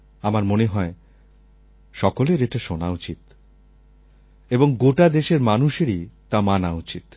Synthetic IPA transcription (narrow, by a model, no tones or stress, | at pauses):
amaɾmoneɦɔe | ʃɔkoleɾeʈaʃonaut͡ɕit̪ | eboŋɡoʈad̪eʃeɾmanuʃeɾit̪amanaut͡ɕit̪